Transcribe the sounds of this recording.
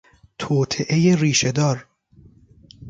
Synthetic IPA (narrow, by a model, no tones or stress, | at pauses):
t̪ʰoːt̪ʰeʔejeriːʃed̪ɒːɾ